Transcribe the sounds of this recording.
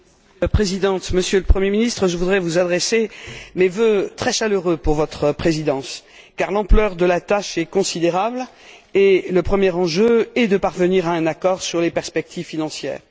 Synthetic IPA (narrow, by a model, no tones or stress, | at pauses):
pχezid̪ɑ̃t̪məsjøləpχəmjeminist̪χəʒəvud̪ʁɛvuzad̪ʁesemevøt̪χɛʃaløʁøpuʁvɔt̪χəpχezid̪ɑ̃s | kaʁlɑ̃plœʁd̪əlat̪aʃɛkɔ̃sid̪eʁabl | eləpχəmjɛʁɑ̃ʒøɛd̪əpaʁvəniʁaɛ̃nakɔʁsyʁlepɛʁspɛk̚t̪ʰivfinɑ̃sjɛ̰ːʁ